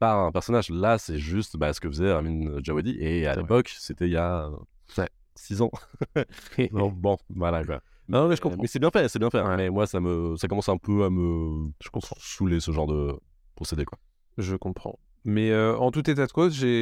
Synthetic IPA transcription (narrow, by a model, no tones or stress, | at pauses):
paʁɛ̃pɛʁsɔnaʒlasɛʒyst̪basə̥kəfəzɛʁaminʒawad̪iʔea̰lḛpɔkset̪ɛija | ɛ | sizɑ̃ | ɔ̃bɔ̃vwalava̰ | mnmɛʒəkɔ̃mɛsɛbjɛ̃fɛsɛbjɛ̃fɛ̃mɛmwasaməsakɔmɑ̃sɛ̃pøaməʒə̥kɔ̃sulesəʒɑ̃ʁd̪ə | pχɔsed̪ekwa | ʒəkɔ̃pχɑ̰̃ | mɛøɑ̃t̪ut̪et̪ad̪əkozʒe